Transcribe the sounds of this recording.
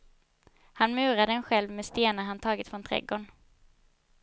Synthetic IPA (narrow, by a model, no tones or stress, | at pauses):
hanmʉ̟ːɾad̪əɛnɧɛlvmeːst̪eːnaɾɦant̪ʰɑːɡɪt̪fɾɔnt̪ʰɾɛ̰ɡoːɳ